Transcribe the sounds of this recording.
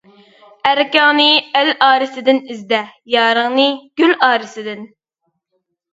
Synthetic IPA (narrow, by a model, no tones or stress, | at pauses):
æɾkʲɑːnɨælɑːɾɨsɪd̪ɪnizd̪ɛjɑːɾəʁnɨɡ̥ʲylɑːɾɨsɪd̪ɪn